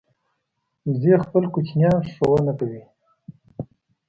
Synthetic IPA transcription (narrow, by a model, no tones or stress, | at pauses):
zexpəlkut͡ʃnjɑʂowanakawi